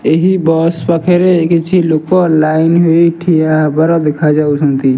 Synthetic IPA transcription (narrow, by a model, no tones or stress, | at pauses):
eɦibɔspəkʰeɾeket͡ʃʰilokolainɦoiʈʰiabəɾɔd̪ekʰad͡ʒausũnt̪i